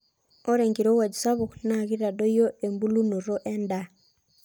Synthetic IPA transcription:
o˦ɾe˨ŋɡiɾo˦wa˨d͡ʒu˨sa˦βu˨kna˨ɣi˦ɾa˨do˦jo˦e˨mbu˦lu˦no˨ɾo˦ʔɛ˦nda

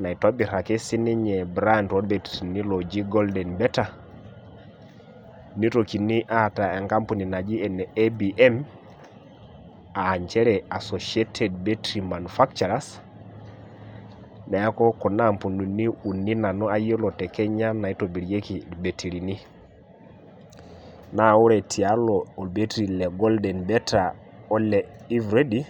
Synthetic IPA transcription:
na˨i˨to˦bi˨ɾa˨kɛ˦si˦ni˦ɲɛ˨bɾa˦ntwo˦ɾbe˨tiɾi˨ni˦lo˨d͡ʒi˦ɡo˦ldɛ˨nbɛ˦ta˨ | ni˦to˨ki˨ni˦ʔa˦ta˨e˨ŋka˦mpu˨ni˨na˨d͡ʒi˦ɛ˨nɛebi˨ʔɛ˦m | aː˨ɲt͡ʃɛ˦ɾɛ˨a˨so˨ʃe˦tʰe˨dbe˦tɾi˨ma˨nufa˦kt͡ʃa˨ɾa˦s | nɛ˨a˦kɔ˦kɔ˨na˦mpu˨nu˨ni˦u˨ni˦na˨nɔ˦a˦je˦lɔ˨tɛ˨kɛ˦ɲa˦na˨i˦to˨bi˨ɾje˦ki˨be˨tʰi˨ɾi˨ni˦ | na˨wu˦ɾɛ˨tʰi˨a˦lɔo˨lbe˦tɾi˨lɛ˨ɡɔ˦ldɛ˨nbɛ˦ta˨ | ɔ˦lɛ˨ | i˦vɾe˦di˦

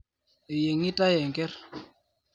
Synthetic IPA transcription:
e˨je˨ŋɪ˦ta˦jɛ˨ŋkɛ˦r

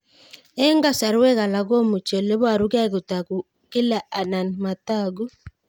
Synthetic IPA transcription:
ɛ˦ŋɡa˦sa˨ɾwɛ˦ɣa˨la˨ɣo˦mu˨t͡ʃɔ˨le˦βwa˨ɾu˦ɣa˦ɣu˨ta˨ɡu˨ | kɪ˦la˨ʔa˨na˨nma˨ta˦˨ɡu˦

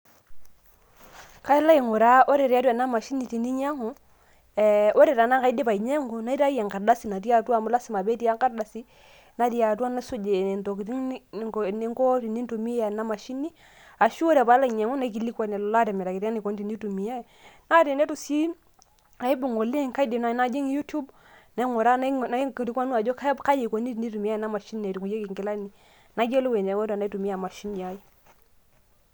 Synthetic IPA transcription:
ka˦ɛ˦la˦i˨ŋo˨ɾa˦ʔo˦ɾɛ˨ɾɛ˨a˦tu˦a˨na˦ma˨ʃi˦ni˨ti˨ni˦ɲa˦ŋu˨ | o˦ɾɛ˨ɾa˨na˦ka˨i˦de˦pa˨i˨ɲɛ˦ŋu˨na˦i˦ɾa˦ja˨ŋka˨da˦si˨na˨ti˦a˦twa˦˨mu˦la˦si˨ma˨bɛ˦ti˦a˦ŋka˦da˨si˦ | na˨ti˦a˨twa˦na˦su˦d͡ʒe˨n˨nto˨ki˨tni˦ŋkɔ˦ti˨ni˦n˦tu˨mi˦a˨na˦ma˨ʃi˦ni˦ | a˨ʃu˦o˦ɾɛ˨ba˨˦la˦˨ɲe˨ŋu˦na˦k̬i˨li˦kwa˨ne˨lla˦tɛ˨mɛ˨ɾa˨ki˨ta˦ni˨ko˨ni˦ti˨ni˦tu˨mi˨ja˦˨na˦ɾe˨ne˦tu˨si˦ | a˨i˦bu˨ŋo˨le˦˨ŋka˦di˨na˨na˦d͡ʒi˦ŋju˦tu˦b | na˨˦ŋo˨ɾa˦n˦kɾi˦kwa˦nu˦a˨d͡ʒo˦ka˦bka˦ji˨ko˨ni˦tni˦tu˨mi˦ja˦˨na˦ma˨ʃi˦n˨e˨ti˨ku˨je˦ki˨ŋki˨la˦ni˨ | na˨˦d͡ʒe˦lo˦we˨ne˨wo˦ta˨na˦i˦tu˨mi˦a˨ma˨ʃi˦ni˨a˨˦ji˦

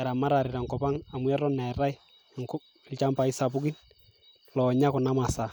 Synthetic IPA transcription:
ɛ˨ɾa˨ma˦ɾa˨ɾɪ˨ɾa˨ŋkɔ˨pa˦ŋa˨mwɛ˦ɾɔ˦nɛ˨ɾa˦i˦ | ŋkʊ˦ | ɪlt͡ʃa˦mpa˨i˦sa˨p̬ʊ˦ki˦n | lɔ˨ɲa˦kɔ˨na˦ma˨sa˨

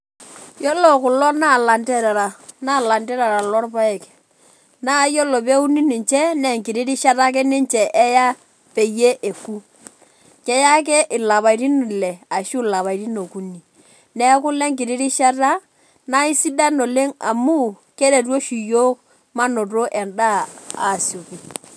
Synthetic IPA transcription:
jo˦lo˨kʊ˨lɔ˦na˦˨la˨ntɛ˦ɾa˨ɾa˨na˦˨la˨ntɛ˦ɾa˨ɾa˨lɔ˦ɾpa˦ɛ˨k | na˦jo˦lo˨pe˦u˦ni˦nɪ˨ɲt͡ʃɛ˦nɛ˨ŋkɪ˨ɾi˦ɾi˦ʃa˦ta˦k̬ɛ˦nɪ˦ɲt͡ʃɛ˨ʔɛ˦ja˦ | pe˨je˦ʔe˨ku˦ | kɛ˦ja˦k̬ɛ˦ʔɪ˨la˨βa˨ɾi˦ni˨lɛ˨a˨ʃu˦la˨βa˨i˨ɾi˦no˨ku˦ni˨ | nɛ˦k̬ʊ˦lɛ˦ŋkɪ˨ɾi˦ɾi˦ʃa˦ta˦ | na˦i˦si˦da˦no˨le˦ŋa̰˨mu˦ | ke˦ɾe˨t̬o˦ʃi˨jo˦k̚ | ma˦no˨to˦ʔɛ˨nda˦a̰˨sjo˨ki˨

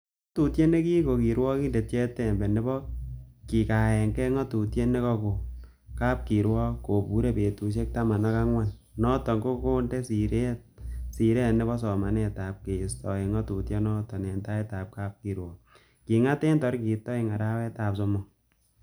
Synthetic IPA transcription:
ŋo˦tu˨tje˦ne˦kiː˦ko˨ki˨ɾwɔ˦ki˦nde˨tjɛ˦tɛ˨mbɛ˨ne˦bɔ˦ki˨ka˨ɛ˨ŋkɛ˦ŋɔ˦tu˨tje˦ne˦kɔ˧ko˨ | kaː˦p̚ki˨ɾwɔ˦ko˨pu˨˦ɾe˦pe˨tu˨ʃ̬e˦k̚ta˦ma˨na˦ka˦ŋwa˦n | nɔ˦tɔ˨ŋɡo˦koː˦nde˦si˨ɾe˦t̚si˨ɾe˦˨ne˦bɔ˦sɔ˨ma˨nɛ˨ta˨p̚ke˨stɔ˨e˨ŋɔ˦tu˨tje˦nɔ˦tɔ˨nɛ˨nta˦e˦ta˨p̚ka˦p̚ki˨ɾwɔ˨ | ki˨ŋa˦te˦ntɔ˨ɾki˨tɔ˦i˦ŋa˨ɾa˦wɛ˦ta˨pso˨mɔ˦

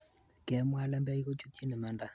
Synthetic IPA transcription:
kʼɛ˨˦mu˦a˦la˦mbɛ˦i˦kɔ˦t͡ʃʰʼu˦tʰʼi˦nɛ˨ma˨nda˨

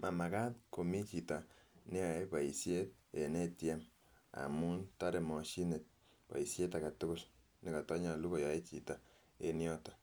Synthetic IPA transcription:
ma˨ma˨ka˦tko˨mi˦t͡ʃi˨ta˨ne˦a˨˦pa˨i˨sje˦t̚e˨ne˦tja˦m | a̰˨mu˦nta˦ɾe˨mɔ˨ʃi˦ne˨t̚ | pa̰˨i˨sje˦ta˨ka˨tʊ˦kʊ˦˨l | nɪ˨ka˨tɔ˦ɲa˨lu˦ko˨ja˨e˦t͡ʃḭ˨ta˨ | e˨njɔ˦tɔ̥˨

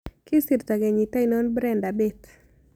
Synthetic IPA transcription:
kɪ˦si˨ɾt̪a˨ɡe˨ɲi˨ta˦ino˦nbɾɛnda˨bet̪

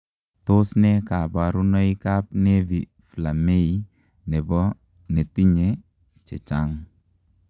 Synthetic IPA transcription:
to˦snɛ˦ka˨ba˨ɾu˦nɔ˦i˦ka˦p̚ne˦vi | fla˨me˦i | nɛ˨bɔ˦ | ne˨ti˦ɲe | t͡ʃɛ˨t͡ʃa˦ŋ

